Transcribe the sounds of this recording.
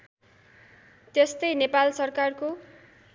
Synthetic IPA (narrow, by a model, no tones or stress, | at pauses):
t̪est̪ʌjnepalsʌrkarko